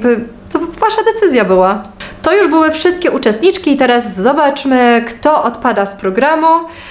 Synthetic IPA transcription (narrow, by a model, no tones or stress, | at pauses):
bɘ | ɔvaʂad̪ɛt̪sɘzʲjabɘwat̪ɔjuʐbɘwɘfʂɘst̪̚kʲɛʔut͡ʂɛst̪ɲit͡ʂkʲiːt̪ɛɾasːɔbat͡ʂmɘkt̪ɔʔɔt̪pad̪aspɾɔɡɾamu